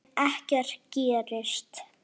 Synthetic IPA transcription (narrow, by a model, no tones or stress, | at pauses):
ɛhcaɾ̥ciːɾɪst̪